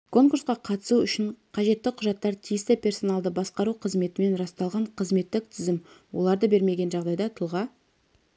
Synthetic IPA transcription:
kʰo̞ŋkuɾsqɑqʰɑt̪ə̥suʏʃɪɴqʰɑʒe̞t̪ːɪqʰʊʒɑt̪ːɑɾt̪ʰijɪst̪ɪpʰʲe̞rso̞nɑlˠd̪əbɑsqɑɾuqʰəzme̞t̪ɪme̞nɾɑst̪ɑlˠʁɑɴqʰəzme̞t̪ːɪk̚t̪ʰʏzɪmwo̞̰lˠɑɾd̪əbe̞ɾme̞ɡʲe̞nʒɑʁd̪ɑjd̪ɑt̪ʰʊlˠʁɑ

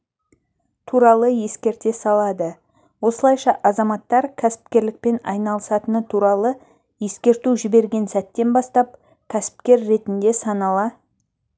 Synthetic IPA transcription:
t̪ʰuɾɑlˠəje̞skʲe̞ɾt̪e̞sɑlˠɑd̪ə | wo̞səlˠɑjʃɑʔɑzɑmɑt̪ːɑɾkʲʰæsɪ̥pkʲe̞ɾlɪk̚pe̞nɑ̰jnɑlˠəsɑt̪ənət̪ʰuɾɑlˠə | je̞skʲe̞ɾt̪uʒɪbe̞ɾɡʲe̞nsæt̪ːe̞nbɑst̪ɑp̚ | kʲʰæsɪ̥p̚kʲe̞ɾːe̞t̪ɪnd̪e̞sɑnɑlˠɑ

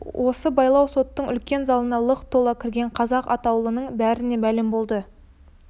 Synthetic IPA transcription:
wʔo̞səbɑjlˠɑwso̞t̪ːəɴʏ̰lkʲe̞nzɑlˠənɑlˠəqt̪ʰːo̞lˠɑkʲʰɪɾɡʲe̞ɴqʰɑzɑqɑt̪ɑwlˠənəɴbæɾɪne̞mælɪmbo̞lˠd̪ə

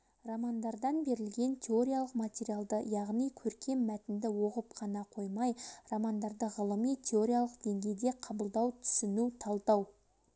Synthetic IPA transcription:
ramɑnd̪ɑɾd̪ɑnbe̞ɾɪlɡʲe̞nt̪ʲʰe̞o̞ɾʲijalˠəqmat̪ʲeɾijalˠd̪əjɑʁnijkʲʰɵɾkʲe̞mːæt̪ɪnd̪ɪwo̞qəpqʰɑnɑqʰo̞jmɑjramɑnd̪ɑɾd̪əʁəlˠəmijt̪ʲʰe̞o̞ɾʲijalˠəqd̪̥eŋɡʲe̞jd̪e̞qʰɑbəlˠd̪ɑwt̪ʰʏ̥sɪnuwt̪ʰɑlˠd̪ɑw

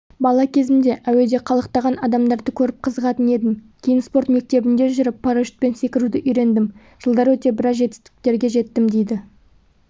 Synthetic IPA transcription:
bɑlˠɑkʲʰe̞zɪmd̪e̞ʔæwe̞d̪e̞qʰɑlˠəq̚t̪ɑʁɑnɑd̪ɑmd̪ɑɾd̪əkʲʰɵɾɪp̚qʰəzəʁɑt̪əne̞d̪ɪmkʲʰe̞jɪnspo̞ɾt̪me̞k̚t̪e̞bɪnd̪e̞ʒʏɾɪpʰːɑɾaʒɪ̥t̪̚pe̞nse̞kʲɪɾud̪ɪʔʏjɾe̞nd̪ɪm | ʒ̥əlˠd̪ɑɾwɵt̪e̞bɪɾɑsʒe̞t̪ɪst̪ɪ̥k̚t̪e̞ɾɡʲe̞ʒe̞t̪ːɪmd̪ejd̪ɪ

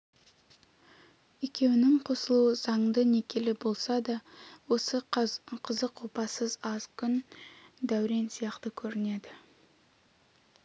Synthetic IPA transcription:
e̞kʲe̞wɪnɪŋqʰo̞səlˠuəzɑɴd̪əne̞kʲʰe̞lɪbo̞lˠsɑd̪ɑwo̞səqʰəzəqʰːopɑsəzɑzkʲʰʏnd̪æwɾensijɑqt̪əkʲʰɵɾɪne̞d̪ɪ

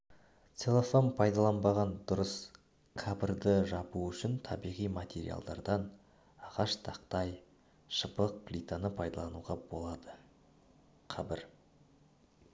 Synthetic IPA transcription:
t̪selˠefompʰɑjd̪ɑlˠɑnbɑʁɑnd̪ʊɾəs | kʰabɪrd̪əʒɑbuʏʃɪnt̪ʰɑbijʁijmat̪ʰʲe̞ɾḭa̰lˠd̪ɑ̰ɾd̪ɑn | ɑʁɑʃt̪ʰɑqt̪ɑj | ʃəpəq̚klʲit̪anəpʰɑjd̪ɑlˠɑnuʁɑbo̞̰lˠɑd̪ə | qʰɑbɪɾ

